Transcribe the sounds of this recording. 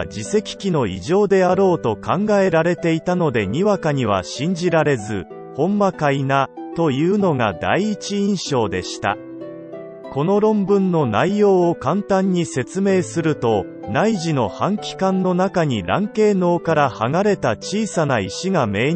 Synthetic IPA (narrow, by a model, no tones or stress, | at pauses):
d͡ʑise̞kʲi̥kʲino̞ḭʑo̞ːd̪e̞aɾo̞ːt̪o̞kãŋɡae̞ɾaɾe̞t̪e̞it̪ano̞d̪e̞ɲ̟iβakaɲ̟iβ̞a̰ɕĩɲ̟d͡ʑiɾaɾe̞zɨ̰ | hõ̞mːakainat̪o̞jɯ̟ːno̞ŋa̰d̪a̰iːt͡ɕiĩɰ̃ɕo̞ːd̪e̞̰ɕi̥t̪a̰ | ko̞no̞ɾõ̞mbɯ̟̃nːo̞na̰ijo̞ːkãnt̪ãɲ̟ːise̞t͡sɨme̞ːsɨɾɯ̟t̪o̞ | naiʑino̞hãŋkʲi̥kãnːo̞nakaɲ̟iɾã̰ŋke̞ːno̞ːkaɾahaŋaɾe̞t̪at͡ɕiːsanaiɕiŋame̞ː